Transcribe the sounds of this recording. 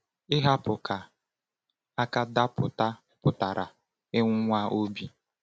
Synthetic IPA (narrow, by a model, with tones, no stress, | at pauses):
ɪ˦ɦa˦pʊ˨kʰa˨ | a˦ka˦da˦pʊ̰˨ta˦ | pʊ˨ta˨ɾa̰˨ | ɪ˦ŋʷʊ˦ŋʷa˦ʔo˦bi˦